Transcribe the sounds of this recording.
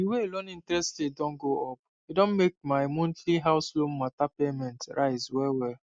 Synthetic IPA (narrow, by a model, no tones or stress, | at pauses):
diweelõnĩntɹɛsttedɔ̃nɡoɔp̚ | idɔ̃nmek̚maɪmõntliɦaʊslõmatapemɛ̃ntɹaɪzwɛlwɛl